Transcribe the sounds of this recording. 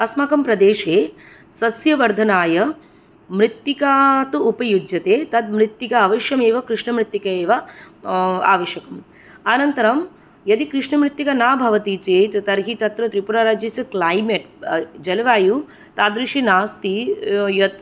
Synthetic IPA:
ɐsmaːkɐmpɾɐd̪eːʂeː | sɐsjɐʋɐɾd̪ʱɐnaːjɐ | mɾit̪ːikaːt̪uupɐjud͡ʒjɐt̪eːt̪ɐd̪̚mɾit̪ːikɐɐʋɐʃjɐmeːʋɐkɾɪʂɳɐmɾit̪ːikɐeːʋɐ | a̰ːʋɐʃjɐkɐm | anɐnt̪ɐɾɐm | jɐd̪ikɾɪʂɳɐmɾit̪ːikɐnaːbʱɐʋɐt̪it͡ʃeːt̪t̪ɐɾɦit̪ɐt̪ɾɐt̪ɾipuɾaːɾaːd͡ʒjɐsɐklaːjmeʈ | d͡ʒɐlɐʋaːju | t̪aːd̪ɾiʂinaːst̪ijɐt̪̚

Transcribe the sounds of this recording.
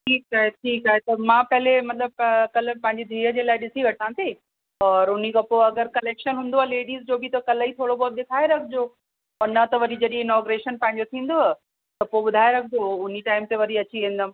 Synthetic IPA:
ʈʰiːkaːɦeʈʰiːkaːɦet̪ɐmãːpɐɦɪlemɐt̪ləb̚kɐləpɐ̃ɦɪ̃ɲd͡ʑid̪ʱiːɾə̆d͡ʑeːlaːɪɗɪsiʋɐʈ̚ʰsãt̪ʰeː | ɔːɾʊnikɐpoɐɡəɾkɐleːkʃənɦũːnd̪oeleːɽiːzd͡ʑoːbʱɪt̪ɐkɐləit̪ʰoːɽobɔːt̪̚ɗɪkʰaːeɾɐkʰɪd͡ʑo | ɔːɾnɐt̪ɐʋɐɾid͡ʑɐɗĩɪnɔːɡɾeːʃənpɐ̃ɦɪ̃ɲ̆d͡ʑot̪ʰĩːn̆d̪oɦ | t̪ɐpoːɓʊd̪ʱaːeɾɐkʰd͡ʑoʊniʈaːɪmt̪eʋɐɾiɐt͡ɕiʋẽːnd̪əm̆

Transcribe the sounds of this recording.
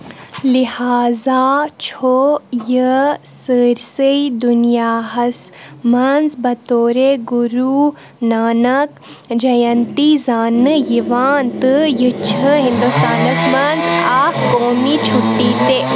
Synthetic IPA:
lihaːzaːt͡ʃʰojəsəɾsəjd̪unjaːɦɐsmɐnzbɐt̪oːɾeɡuɾuː | naːnɐk̚ | d͡ʒɐjɐnt̪izaːnɨjiʋaːnt̪ɨjɨt͡ʃʰɨɦĩnd̪ust̪aːnɐsmɐnzaːkkoːmiːt͡ʃʰuʈːiːt̪e

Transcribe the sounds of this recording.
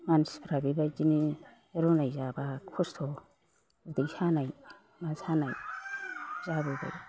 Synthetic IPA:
manspɾabibad͡ʒini | ɾunaiʒabakʰust̪ʰo | d̪iʃanai | masanaj | ʒabuba̰

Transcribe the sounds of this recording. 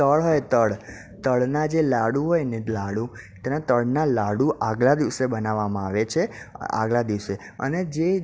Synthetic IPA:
t̪əɭɦojt̪əɭ | t̪əɭnad͡ʒelaɽuɦojnelaɽũt̪ɛnat̪əɭnalaɽuʔaɡlad̪iʋsebənaʋamãaʋet͡ʃʰea̰ɡlad̪iʋse | ə̰ned͡ʒe

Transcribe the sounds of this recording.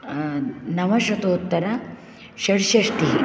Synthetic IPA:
nɐʋɐʃɐt̪oːt̪ːɐɾɐ | ʃɐɽʃɐʂʈiɦi

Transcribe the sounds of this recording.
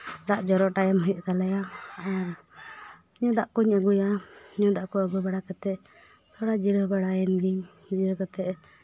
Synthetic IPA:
d̪aʔd͡ʒɔɾɔʔʈajɛməjuʔt̪alɛja | ɲɔd̪aʔkuɲəɡujaɲɔd̪aʔkɔəɡubaɽakat̪ɛʔ | t̪ʰɔɽad͡ʒiɾəbaɽaɛnd̪i | d͡ʒiɾəkat̪ɛʔ

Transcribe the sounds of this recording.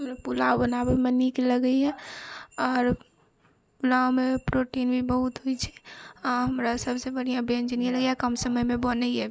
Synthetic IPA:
ɦmɾepulaobənabemənikeləɡəiɦɛ̃ | ɔːɾ | pulaomepɾoʈinbʱibəɦut̪ɦoit͡ʃʰɛ̥ɔɾɦəmɾasəbsebəɽ̤ijãbend͡ʒnijeləɡjakəmsəməjmẽbənəiɦɛ

